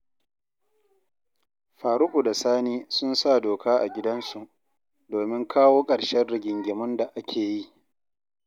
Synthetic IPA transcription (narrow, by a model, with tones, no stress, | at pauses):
ɸaː˨ɾʊ˦kʷu˨da˨saː˦niː˦sʊ˦nsa˦˨doː˨kʰaː˦ʔa̰˨ɡʲɪ˦dɐ˦nsu˨ʔ | doː˨mɪ˦ŋkʰaː˦woː˦kʼɐ˨ɽʃɐ˦nɽɪ˦ɡʲɪ˨ŋɡʲɪ˨mʊ˦nda˨ʔa˦kʲʰeː˨ji˦ʔ